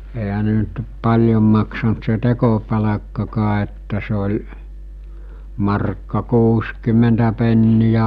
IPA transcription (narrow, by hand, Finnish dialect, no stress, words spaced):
eɦæ ne nyt pɑlʲjom mɑksɑnt se tekopɑlɑkːɑkɑː etːæ se olʲ mɑrkːɑ kuːskymˑentæ penːijæ